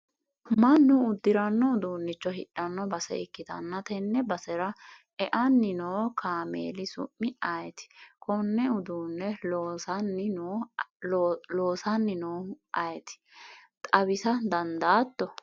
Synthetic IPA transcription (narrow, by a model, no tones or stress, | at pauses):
mɐnːʊːd̪ːɪɾɐnːɔʊd̪uːnːɪt͡ʃːɔɦɪᶑɐnːɔbɐsɛ̰ɪkːɪt̪ɐ̰nːɐt̪ɛnːɛbɐsɛɾɐ | ɛʔɐnːɪnoːkʰaːmḛːlɪsʊ̰mːɪɐjt̪ɪ̥kʰɔnːɛʊd̪uːnːɛ | nɪnː | loːsɐnːɪnoːʔɐjɛt̪ɪ̥ | t̪ʼɐbɪsɐd̪ɐnd̪aːt̪ːɔ